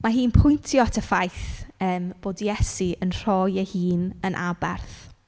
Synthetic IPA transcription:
maɦiːnpʰʊjntʰjɔtʰəfajθəːmb̥oːdijɛsiənr̥ɔjɛhiːnənʔabɛ̰rθ

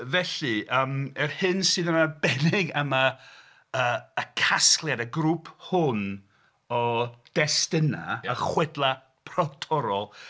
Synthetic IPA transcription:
vɛɬɨʔəːmɛrhɨnsɨːðəmabɛnɪɡəma | əːkʰasklˠjadəɡɾuːpʰhʊn | ɔd̥ɛstɪnaəχwɛdlˠa | pʰrɔwtʰɔɾɔlˠ

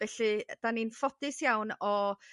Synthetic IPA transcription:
vɛɬɨd̥aniːnfɔdɪsjawnɔ

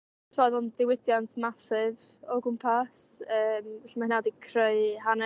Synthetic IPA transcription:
tʰmaðɔnðɪwɪdjantʰmasɪv | ɔɡʊmpʰasəːmvɛɬimahɪnawdikʰrɪɨhanɛ

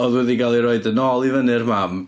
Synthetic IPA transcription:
ɔðuɐðiɡalˠeɾojd̪ɐnɔlˠivɐneɾmam

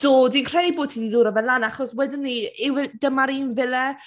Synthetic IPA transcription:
d̥oːdinkʰr̥ɛdiboːd̚tʰidiðuːɾɔbɛnlanaχɔswɛdɪnːiɪwɛd̥əmaɾiːnvɪlɛ

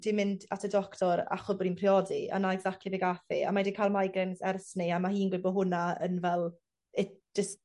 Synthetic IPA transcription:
d̥ɪmɪndatʰədɔktʰɔɾa̰χʊbɔɾinpʰriɔdia̰naɛɡzak̚tʰlˠibɛɡafḭa̰madikʰajlˠmajɡɾɛnsɛrsnɨamahiːnɡlɪbɔɦʊnaə̰nvɛlˠ | ɪd͡ʒəst

